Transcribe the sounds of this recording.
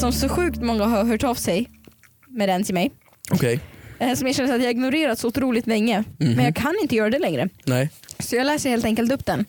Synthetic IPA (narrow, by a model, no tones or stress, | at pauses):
sɔmsɔɧʉ̟ːkt̪mɔŋːaɦaɾɦœːʈɑvsɛj | mɛd̪ɛnt̪ʰɪlmɛj | ɔkʰɛjsɔmjaɕɛnːəɾat̪jaːɡɪɡnʊɾeːɾat̪sɔʊt̪ɾuːlɪɡt̪lɛŋːəɛnjɑɡkʰanɪnt̪əjœːɾad̪ɛlɛŋɾə̰nɛsɔjɑɡlæːʂɛjheːlt̪ɛŋkəlt̪ɵp̚ːd̪ɛn